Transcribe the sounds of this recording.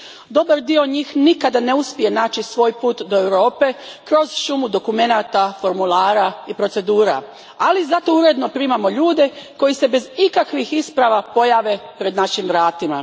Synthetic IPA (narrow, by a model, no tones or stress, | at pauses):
d̪o̞baɾd̪io̞ɲiːxnikad̪ane̞uspije̞naːt͡ʃisʋo̞ːjpuːt̪d̪oe̞wɾo̞ːpe̞kɾo̞zʃumud̪o̞kume̞naːt̪afo̞ɾmulˠaːɾaipɾo̞t̪se̞d̪uːɾa̰ | alizat̪o̞uɾe̞d̪no̞pɾiːmamo̞ʎuːd̪e̞ko̞jise̞be̞zikakʋixispɾaʋapo̞jaːʋe̞pɾe̞d̪naʃimʋɾaːt̪ima̰